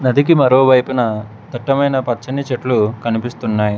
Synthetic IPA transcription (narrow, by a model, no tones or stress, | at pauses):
nɐd̪ik̬imɐɾoːʋɐjpunɐ | d̪ɐʈːɐmɐjnɐpɐt͡ʃɐnit͡ʃeʈlukɐnipist̪unːaːji